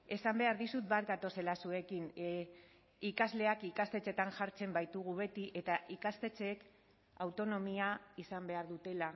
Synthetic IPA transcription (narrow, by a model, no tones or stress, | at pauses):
e̞sambe̞aɾðisut̪̚bat̪̚ɡat̪o̞se̞lasue̞kin | ikazle̞akikast̪e̞t͡se̞t̪anʝaɾt͡se̞mbajt̪uɣuβe̞t̪iʔe̞t̪aʔikast̪e̞t͡se̞k | awt̪o̞no̞miaisambe̞aɾðut̪e̞la